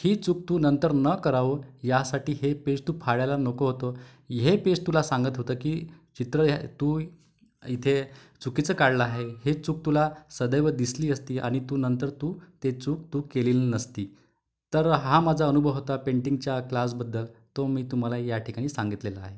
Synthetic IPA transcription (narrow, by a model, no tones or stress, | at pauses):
hiːt͡suk̚t̪uːnənt̪əɾnəkəɾaʋojasaʈiːɦepest̪uːpʰaɽjajlanokoɦot̪o | ɦepest̪ulasãŋɡət̪ɦot̪əkiːt͡ɕit̪ɾət̪uː | it̪ʰe | t͡sukit͡səkaɽləaɦeɦhet͡suk̚t̪ulasəd̪əjʋəd̪isliːəst̪iːʔa̰ɽ̃it̪uːnənt̪əɾt̪uːt̪et͡suk̚t̪uːkeliːlnəst̪iː | t̪əɾɦamad͡zʱaənubʱəʋɦot̪apeɳʈiŋɡt͡ɕjaklas̬bəd̪ːəlt̪omiːt̪um̤alajaʈʰikaɽ̃iːsãŋɡit̪lelaa̰ɦe